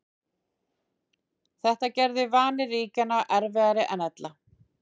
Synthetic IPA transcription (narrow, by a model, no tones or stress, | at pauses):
θɛht̪acɛɾðɪvaːnɪriːcanːaʔɛɾvɛɣaɾɪʔɛnɛt̪la